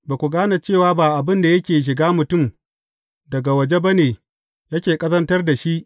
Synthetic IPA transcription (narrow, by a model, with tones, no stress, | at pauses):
baː˨kʷu˨ɡaː˦na˨t͡ʃeː˦˨waː˦baː˨ʔa˨bɪ˦nda˨jɐ˦kʲeː˨ʃ̬ɪ˨ɡaː˦mʊ˨tʊ˦˨m | dɐ˨ɡa˨wɐ˨d͡ʒe˦ba˦neː˨ | jɐ˦kʲeː˨kʼɐ˦zɐ˦ntɐ˦rda˨ʃi˦ʔ